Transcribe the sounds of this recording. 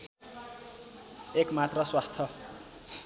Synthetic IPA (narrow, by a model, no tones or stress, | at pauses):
ekmat̪rʌswast̪ʰʌ